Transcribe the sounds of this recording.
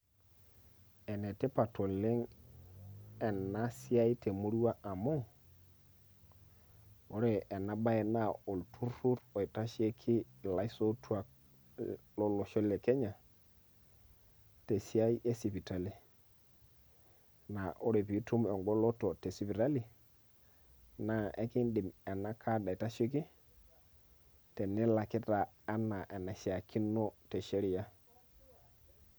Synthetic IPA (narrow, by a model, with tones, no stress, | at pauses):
ɛ˨nɛ˨te˦pa˨tʰo˨le˦ŋ | ɛ˨na˦si˦a˦i˦te˨mo˦ɾu˦wa˦ʔa˨mo˦ | o˨ɾe˨ʔːna˦ba˦ɛ˨na˦o˨ltʰu˦ɾu˦ɾo˨i˨ta˦ʃe˦kʰɪ˦˨la˦i˦so˦tʰu˦a˨ | lɔ˦lɔ˨ʃɔ˦le˨kɛ˦ɲa˨ | te˨si˦a˦i˦e˦si˨pi˨ta˨li˨ | na˨ʔo˦ɾe˨pi˨˦tu˦me˨ŋɡɔ˦lɔ˦to˨te˨si˨˦bi˨ta˦li˨ | na˨ʔe˦ki˦nɗi˨mɛ˨na˦kʰa˦da˨i˨ta˦ʃe˦k̬i˦ | te˨ni˦la˨ki˦taː˨˦na˨ʔe˨na˨si˨a˨kʰi˦no˦te˨ʃe˦ɾi˨ja˦